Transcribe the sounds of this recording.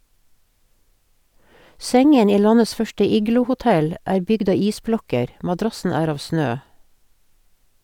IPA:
ˈsɛŋən ˈiː ˈlɑnəs ˈfœʃʈə ˈiːɡlʊhʊˌtɛl ˈæːɾ ˈbʏɡd ˈɑː ˈiːsˌblɔkəɾ ʔmɑˈdɾɑsn̩ ˈæːɾ ˈɑːʋ ˈsnøː

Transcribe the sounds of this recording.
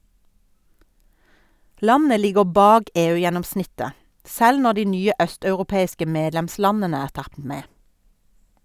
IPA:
ˈlɑnə ˈlɪɡəʁ ˈbɑːɡ ˈeːˌʉːjɛnɔmˌsnɪtə ˈsɛl ˈnɔ ˈdiː ˈnyːə ˈœstɑʉʁʊˌpeːɪskə ˈmeːdlɛmˌslɑnənə ˈæːʁ ˈtɑt ˈmeː

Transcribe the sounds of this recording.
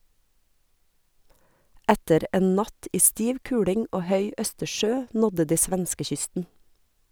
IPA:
ˈætəɾ ˈeːn ˈnɑt ˈiː ˈstiːʋ ˈkʉːɽɪŋ ˈoː ˈhœʏ ˈœstəˌʃøː ˈnɔdə ˈdiː ˈsʋɛnskəˌçʏstn̩

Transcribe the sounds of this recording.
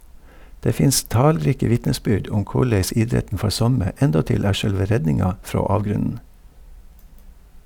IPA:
ˈdeː ˈfɪns ˈtɑːlˌɾiːkə ˈʋɪtnəˌsbʏɖ ˈʔʊm ˈkʊɭɛs ˈɪdɾɛtn̩ ˈfɔɾ ˈsɔmə ˈɛndɔtɪl ˈæː ˈʃœɽʋə ˈɾɛɟnɪŋɑ ˈfɾoː ˈɑːʋɡɾʉnn̩

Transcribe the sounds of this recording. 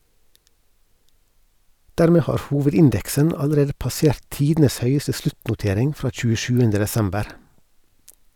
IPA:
ˈdæːɾmeː ˈhɑːɾ ˈhuːʋədɪnˌdɛksən ɑləˈɾeːdə pɑˈseːɾt ˈtiːdn̩əs ˈhœʏəsə ˈslʉtnʊˌteːɾɪŋ ˈfɾɑː c͡çʉːəˈʃʉːəndə dɛˈsɛmbəɾ

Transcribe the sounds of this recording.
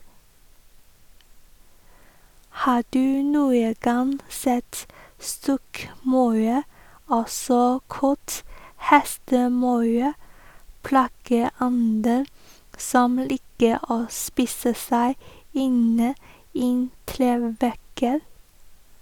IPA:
ˈhɑː ˈɖʉː ˈnuːə ˈɡɑn ˈsɛt ˈstɔkˌmɑʉ ˈɔsɔ ˈkɑt ˈhɛstəˌmɑʉ ˈplɑːɡəˌɔndə ˈsɔm ˈliːkə ˈoː ˈspiːsə ˈsæɪ ˈɪnə ˈɪn ˈtɾeːʋækə

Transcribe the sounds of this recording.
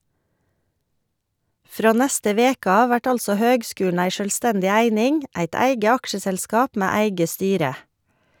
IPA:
ˈfɾoː ˈnɛstə ˈʋeːk ˈɑː ˈʋæʈ ˈɑlsɔ ˈhøːɡˌskʉːn̩ ˈæɪ ˈʃøːlˌstɛndɪ ˈæɪnɪŋ ˈæɪt ˈæɪɡə ˈɑkʃəsɛlˌskɑːp ˈmæː ˈæɪɡə ˈstyːɾə

